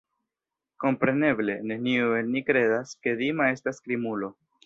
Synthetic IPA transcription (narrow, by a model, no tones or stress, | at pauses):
ko̞mpɾe̞ne̞ble̞ne̞nioelnikɾe̞daske̞dimae̞staskɾimulo̞